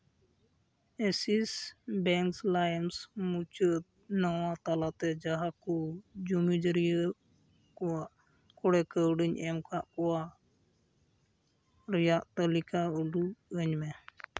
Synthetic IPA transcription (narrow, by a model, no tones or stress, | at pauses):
ɛsisbɛŋkslajəmsmut͡ʃət̪̚ | nɔwat̪alat̪ɛd͡ʒaɦakud͡ʒumid͡ʒəɾijə | kɔwaʔ | kɔɽɛkəwɖiɲɛmkʰaʔkɔwa | ɾɛjaʔt̪əlikauluəɲmɛ